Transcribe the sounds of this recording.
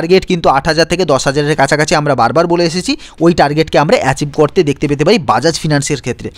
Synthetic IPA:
ɾɡeʈkint̪uaʈɦad͡ʑaɾt̪ʰeked̪ɔʃɦad͡ʑaɾeɾkat͡ɕʰakat͡ɕʰiamɾabaɾbaɾboleeʃet͡ɕʰi | ojʈaɾɡeʈkeamɾaʔɛt͡ɕibkoɾt̪ed̪ek̚ʰt̪epet̪̬epaɾibad͡ʑad͡ʑfinanseɾkʰet̪ːɾe

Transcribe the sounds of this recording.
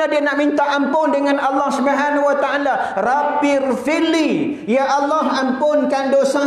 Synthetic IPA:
adianaʔmint̪aʔampʊndəŋanɑlːɑhsubaɦanawat̪aalarapɪrfili | jaʔːlːɑɦampʊnkandosa

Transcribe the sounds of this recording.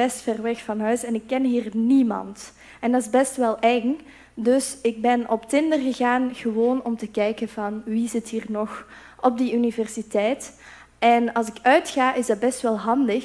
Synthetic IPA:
ɛstfɛrʋɛxfɑnɦœɥsɛnɪkːɛnɦiːrnimɑ̰nt | ɛndɑtɪzbɛstʋɛlˠʔɛŋ | dɵsɪɡ̚bɛnʔɔptɪndərɣəɣaːnɣəʋoːnɔmtəkɛjkənvɑnʋizɪtɦiːrnɔx | ʔɔb̚diynivɛrsitɛjt | ʔɛnɑlˠsɪkœɥtxaːʔɪzdɑt̚bɛstʋɛlˠɦɑndəx

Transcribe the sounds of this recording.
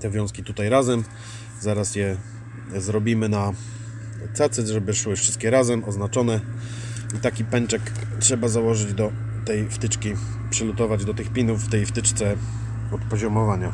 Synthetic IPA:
t̪ɛvʲjɔ̃skʲit̪ut̪ajɾazɛm | zaɾasjɛ | zɾɔbʲimɘna | t̪sat̪sɛʐɛbɘʂwɘfʂɘst̪kʲɛɾazɛmʔɔznat͡ʂɔnɛ | it̪akʲipɛnt͡ʂɛktʂɛbazawɔʐɘd͡ʑd̪ɔ | t̪ɛjft̪ɘt͡ʂkʲi | pʂɘlut̪ɔvad͡ʑd̪ɔt̪ɘxpʲinufːt̪ɛjft̪ɘt͡ʂt̪sɛ | ɔt̪pɔʑɔmɔvaɲa

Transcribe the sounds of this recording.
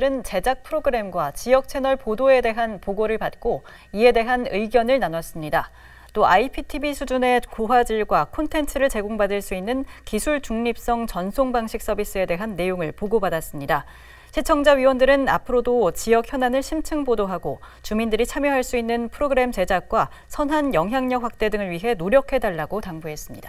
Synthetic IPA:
ɾɯnt͡ɕe̞d͡ʑak̚pʰɯɾoɡɯɾe̞mɡwat͡ɕijʌk̚t͡ɕʰe̞nʌɭpodoe̞de̞ɦanpoɡoɾɯɭpat̚k͈o | ie̞de̞ɦanɯiɡjʌnɯɭnanwas͈ɯmɲida | t͈oaipʰitʰibisʰud͡ʑune̞koɦwad͡ʑiɭɡwakʰontʰe̞ntʰɯɾɯɭt͡ɕe̞ɡoŋbadɯɭs͈uinːɯnkisʰuɭt͡ɕuŋɲip̚s͈ʌŋt͡ɕʌnsʰoŋbaŋɕʰik̚s͈ʌbis͈ɯe̞de̞ɦanːe̞joŋɯɭpoɡobadas͈ɯmɲida | ɕʰet͡ɕʰʌŋd͡ʑaɥiwʌndɯɾɯnapʰɯɾodot͡ɕijʌkçjʌnanɯɭɕʰimt͡ɕʰɯŋbodoɦaɡot͡ɕumindɯɾit͡ɕʰamjʌɦaɭs͈uinːɯnpʰɯɾoɡɯɾe̞mt͡ɕe̞d͡ʑak̚k͈wa | sʰʌnɦanjʌŋɦjaŋɲʌk̚ɸak̚t͈e̞dɯŋɯɭɥiɦe̞noɾjʌkʰe̞daɭːaɡotaŋbuɦe̞s͈ɯmɲid̥a

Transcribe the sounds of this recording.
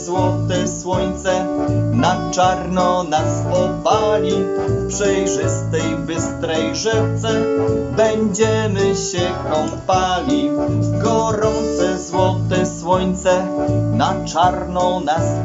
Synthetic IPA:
zwɔt̪ɛswɔɲt̪sɛnat͡ʂaɾnɔnasɔpalʲipʂɛjʐɘst̪ɛjbɘst̪ɾɛjʐɛt̪sɛbɛɲd͡ʑɛmɘɕɛkɔmpalʲiɡɔɾɔnt̪sɛzwɔt̪ɛswɔɲt̪sɛnat͡ʂaɾnɔnas

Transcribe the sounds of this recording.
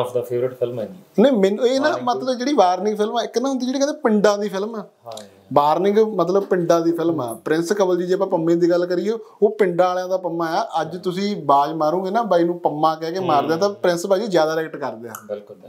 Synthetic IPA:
d̪aːfʰeːʋɾɪʈpʰɪlmnẽːmɛːnueːnaːmət̪ləbd͡ʒeːɽiːʋaːɾnɪ̃ŋɡpʰɪlmɛːɪkːnãːɦnd̪iːd͡ʒeːɽiːkɛepɪɳɖãːd̪iːpʰɪlmɛː | ʋaːɾnɪ̃ŋɡmət̪ləbpɪ̃ɳɖãːd̪iːpʰɪlmɛ̰ːpɾɪ̃nskəbəld͡ʒiːd͡ʒeːp̬ãːpəmːẽːd̪iːɡəlkəɾijeːoːpɪɳɖaːljãːd̪aːpəmːãːɛːʔəd͡ʒt̪ʊsĩːbaːd͡ʒmaːɾũːɡeːnaːbaːinũːpəmːãːkɛːkemaːɾd̪eaːt̪ãːpɾɪ̃nsbaːĩːzjaːd̪aːɾɛːkʈkəɾd̪eːa̰ːbɪlk

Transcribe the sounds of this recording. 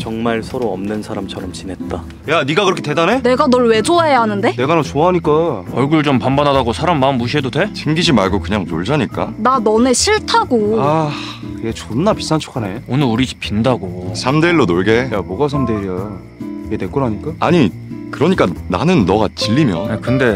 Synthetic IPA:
t͡ɕʌŋmaɭsʰʌɾoʌmnɯnsʰaɾamt͡ɕʰʌɾʌmt͡ɕinɦe̞t̚t͈a | janiɡakɯɾʌkʰete̞dane̞ne̞ɡanʌɭwe̞d͡ʑoaejaɦanɯnde̞ne̞ɡanat͡ɕoaɦaɲik͈aʌɭɡuɭt͡ɕompambanɦadaɡosʰaɾamːanːuɕʰiɦedotʰet͡ɕʰeŋɡid͡ʑimaɭɡokɯɲaŋno̰ɭd͡ʑaɲik͈a̰nanʌne̞ɕʰiɭtʰaɡoa | jet͡ɕonːapisʰant͡ɕʰo̥kʰaneonɯɭuɾid͡ʑi̥p͈ʰindaɡosʰamdeiɭːonoɭɡe̞jaboɡas̬ʰamdeɾia | edek͈onɦaɲik͈aaɲi | kɯɾʌɲik͈ana̰nɯnːʌɡat͡ɕiʎːimjʌnkɯnde̞

